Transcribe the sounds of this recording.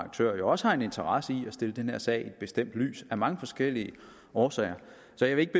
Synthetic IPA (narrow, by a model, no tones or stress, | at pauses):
ɡ̥̚t͡sʰø̰ːɐjoɒ̽səhɑ̈e̝ne̝nt͡sʰɐʁɑ̈səiæsd̥e̝ləd̥enheɐ̰sɛ̰ɪied̥̚b̥e̝sd̥em̰d̥ly̰ːsæmɑ̈ŋəfɒ̽sɡ̥el̰iə | ɒːsɛ̰ɪ̰ɐ | sɒ̽jɑʋe̝e̝ɡ̥̚b̥e